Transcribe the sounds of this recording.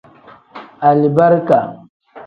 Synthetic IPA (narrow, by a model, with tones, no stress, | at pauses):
a˨li˨ba˦ɾka˨